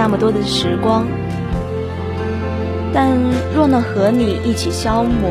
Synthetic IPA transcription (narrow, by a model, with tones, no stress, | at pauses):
a˥˩mə˩t̪wɔ˥d̪ə˨ʂɻ̩˧˥kwɑ˥ŋ | t̪a˥˧nɻwɔ˥˧nɑ˥˩xɤ˧˥ny˨˩ʔi˥˩t͡ɕʰi˨˩ɕjɑ˥ʊmɔ˨˩